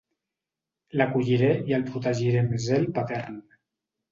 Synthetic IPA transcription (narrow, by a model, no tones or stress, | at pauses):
lakuʎiɾeiəlˠpɾut̪aʒiɾemezelpat̪ɛɾn